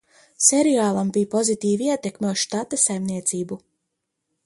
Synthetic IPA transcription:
seɾiaːlˠambijpɔzit̪iːviiɛt̪ekmʲuʃt̪at̪asajmniɛt̪siːbu

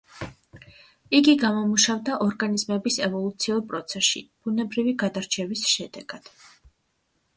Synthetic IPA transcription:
iɡiɡamɔmuʃavd̪aʔɔɾɡanizmɛbisɛvɔlˠut̪sʰiuɾpʼɾɔt̪sʰɛsʃḭb̥unɛbɾiviɡad̪aɾt͡ʃʰɛvisʃɛd̪ɛɡ̥ad̪̥

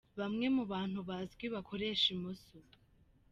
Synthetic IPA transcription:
βamŋe̞muβaːn̥huβazɡwiβakʰo̞ɾe̞ːʃimoso

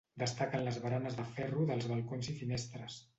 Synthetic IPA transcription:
d̪əst̪akənləzβəɾanəzðəfɛruðəlˠzβəlˠkonzifinɛst̪ɾəs

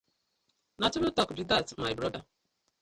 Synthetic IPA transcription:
natʊnʊtɔkdidatmajbɾɔda

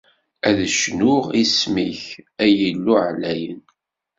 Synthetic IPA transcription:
æðəʃnʊʁismiçæjəlːuʕlæjən

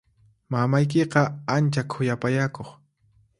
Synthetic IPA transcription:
mamajk̬eqɑant͡ʃakʰʊjapajakoχ

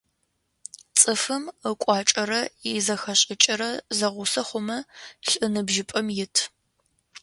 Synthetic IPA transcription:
t͡sʼɨfɨməkʷʼɑːt͡ʃʼɐɾɐɪzɐxɐɕʼɪt͡ʃʼɪɾɐzɐʁʷʊsɐχʷʊmɐɬʼɨnɨbʒɪpʼɐmjɪtʰ

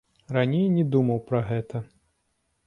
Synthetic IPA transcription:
ranʲejnʲɛd̪umɐwpɾɐɣɛt̪ʰɐ

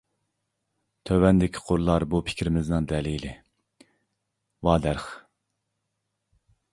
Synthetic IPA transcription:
t̪ʰøwɛnd̪ɪkʲʰɪ̥qʰoɾlˠɑɾbupʰɪ̥kʰʲɾɪmɪznɨŋd̪ɛlilɪ | wɑːd̪æɾχ

